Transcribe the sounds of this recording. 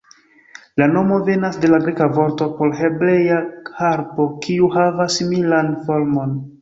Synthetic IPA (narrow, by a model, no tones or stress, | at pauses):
lano̞mo̞ve̞nasde̞laɡɾekavo̞ɾto̞po̞ɾɦe̞bɾe̞jahaɾpo̞kʰiuhavasːimilanfo̞ɾmo̞n